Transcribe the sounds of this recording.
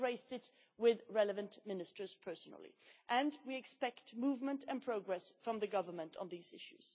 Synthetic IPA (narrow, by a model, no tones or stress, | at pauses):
ɹeɪstɪt̚ | wɪðɹɛləvɨ̃nʔmɪ̃nɨstə˞z̥pʰɜ˞snl̩ˠḭʔɨ̃nwiɨkspɛktmuvmə̃ntʰɨ̃npʰɹ̥oʊɡɹɛsfɹʌ̃mðɨɡʌvə˞mə̃ntʰn̩ðiːzɪʃʉ̰z̥